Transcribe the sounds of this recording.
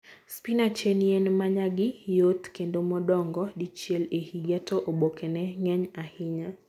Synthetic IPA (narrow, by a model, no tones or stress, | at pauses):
spinat͡ʃenijenmaɲaɡɪjot̪kendomɔdɔŋɡɔdit͡ʃjɛlehiɡatoʔobokenɛŋɛɲahɪɲa